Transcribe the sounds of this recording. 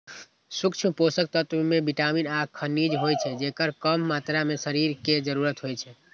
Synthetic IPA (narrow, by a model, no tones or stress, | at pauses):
sukt͡ʃʰmposək̚t̪ət̪mebiʈaminakʰənid͡ʒɦojt͡ʃʰɛd͡ʒekəɾkəmːat̪ɾamesəɾiɾked͡ʒəɾuɾət̪ɦojt͡ʃʰɛ